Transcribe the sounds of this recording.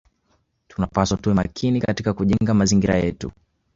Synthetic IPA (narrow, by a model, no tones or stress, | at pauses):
tunapaswatuɛmakʰinikatikakuʄɛŋɡamaziŋɡiɾa̰jɛ̰tṵ